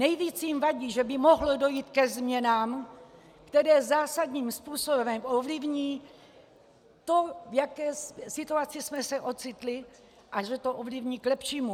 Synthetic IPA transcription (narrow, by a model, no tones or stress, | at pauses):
nɛjviːt͡sjimvaɟiːʒɛbɪmoɦlodo̞jiːt̪kɛzmɲɛnaːm | kt̪ɛɾɛːzaːsad̪ɲiːmspuːsobɛmʔovlɪvɲiː | t̪o̞vjakɛːsɪt̪uat͡sɪsmɛsɛʔo̞t͡sɪt̪lɪ | ʔaʒɛt̪oʔovlivɲiːklɛpʃiːmu